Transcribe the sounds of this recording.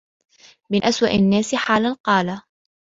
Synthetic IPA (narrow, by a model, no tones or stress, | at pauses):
mɪnʔaswa̰ʔanːaːsɪħaːlanqɑːla